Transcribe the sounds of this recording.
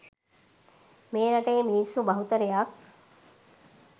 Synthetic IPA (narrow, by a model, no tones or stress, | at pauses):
meːnaʈejminisːubɐɦut̪əɾejak̚